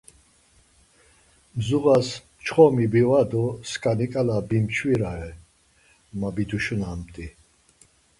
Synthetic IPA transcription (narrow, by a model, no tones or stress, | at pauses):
mzuɣasmt͡ʃʰχɔmibiwad̪ɔskʼanikʼalabimt͡ʃʰwiɾaɛ | mabid̪uʃunamt̪ʼi